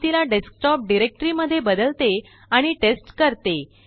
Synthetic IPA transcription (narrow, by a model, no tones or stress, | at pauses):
t̪ilaɖesk̚ʈɔp̚ɖiɾek̚ʈɾiməd̪ʱːjebəd̪əlt̪e | aɽ̃iʈesʈkəɾt̪e